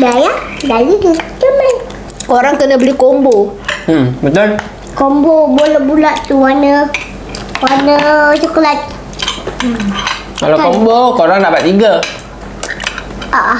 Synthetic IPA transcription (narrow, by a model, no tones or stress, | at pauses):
dajaʔdazit̪ud͡ʒəman | koɾaŋkənãbəlikombombət̪ol | komboboləbulaʔt̪uwanə | wanət͡ʃukolat̪̚ | kalakkombokoɾaŋdabat̪̚iɡə | aʔa